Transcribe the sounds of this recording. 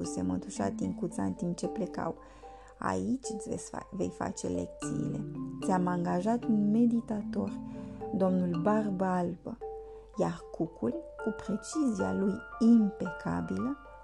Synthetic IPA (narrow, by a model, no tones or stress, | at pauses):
use̞̰mɨnt̪uʃa̰t̪iŋkut̪sa̰ɨ̰nt̪imp̚t͡ʃe̞ple̞ka̰w | a̰it͡ʃʲt̪sʲve̞̰jfa̰t͡ʃe̞̰le̞̰k̚t̪sḭːle̞̰t̪sʲamaŋɡaʒat̪unme̞d̪it̪at̪o̞rd̪o̞mnulbarbəalbə | jarkukʰulkupɾe̞t͡ʃizia̰lujimpe̞kʰa̰bilə